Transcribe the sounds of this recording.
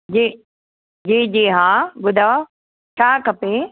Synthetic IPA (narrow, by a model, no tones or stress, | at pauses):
d͡ʑeː | d͡ʑeːd͡ʑeːɦãːbʊd̪ʱa | t͡ʃʰaːkɐpe